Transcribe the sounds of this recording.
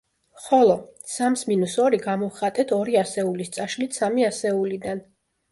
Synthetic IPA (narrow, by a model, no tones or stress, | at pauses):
χɔlˠɔsamsminusɔɾiɡamɔχat̪ʼɛt̪ʰɔɾiasɛulist̪sʼaʃlit̪ʰsamiasɛulid̪an